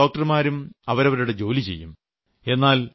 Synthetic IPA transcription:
o̞ːk̚ʈɐrmaːɾumɐʋɐɾɐʋɐɾuɽe̞d͡ʑo̞ːlit͡ɕe̞̰jːum | e̞nːaːl

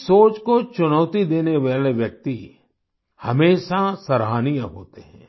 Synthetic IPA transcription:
soːt͡ʃkot͡ʃʊnəːt̪id̪eːneʋaːleʋjɐk̚t̪i | hɐmeːʃasɐɾɦaːnijəɦo̰ːt̪eɦɛ̰̃ː

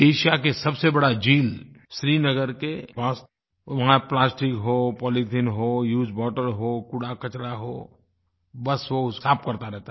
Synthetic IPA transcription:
eːʃakesɐbsebɐɽad͡ʒiːl | ʃɾiːnɐɡəɾkepaːs | ʋɐɦãplaːsʈɪkɦopɔːlitʰinɦojuːd͡ʒbɔːʈəɾɦoːkuɽakɐt͡ʃɽaɦoː | bɐsʋosaːpkɐɾt̪aɾɛɦt̪a

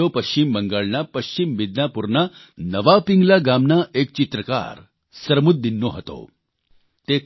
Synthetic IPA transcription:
opəɕt͡ɕimbəŋɡaɭnapəɕt͡ɕimʋid̪napuɾnanəʋapiŋɡlaɡamnaʔek̚t͡ɕit̪ɾəka̰ɾ | səɾmut̪̚d̪inːoɦət̪o̰ | t̪e

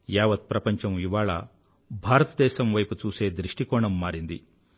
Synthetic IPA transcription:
jaːʋɐt̪̚pɾɐpɐɲt͡ʃɐmiʋaːɭɐ̰ | bʱaːɾɐt̪ɐd̪ɛːʃɐmʋɐjput͡ʃuːse̞ːd̪ɾiʂʈikɔːɳɐmːaːɾind̪ḭ

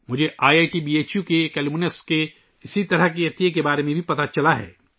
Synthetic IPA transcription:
mʊd͡ʒʱeʔaːjaːjʈibiːeːt͡ʃjukekɛlmuneske | ɪsit̪ɐɾəɦk̬iɐt̪ijekebaːɾemẽbʱipɐt̪at͡ʃɐlaɦɛ̰ː

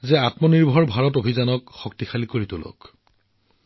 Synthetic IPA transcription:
zɛatmɔniɹbʱɔɹbʱaɹɔtobʱizanɔkxɔk̚tixalikoɹit̪ʊlo̰k

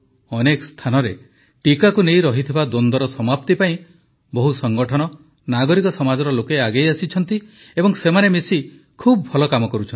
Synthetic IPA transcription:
ɔnekɔ̥st̪ʰanɔɾe | ʈikakunejɾɔɦit̪ʰibad̪ond̪ɔɾɔsɔmapt̪ipaĩ | bɔɦusɔŋɡɔʈʰɔnɔ | naɡɔɾikɔsɔmad͡ʒɔɾɔlokeaɡejasit͡ʃʰɔn̪t̪i | ebɔŋsemanemisi | kʰubɔbʱɔlɔkamɔkɔɾut͡ʃʰɔni

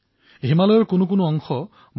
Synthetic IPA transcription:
ɦimalɔjɔɹkʊnʊk̬ʊnʊɔŋxɔ | b

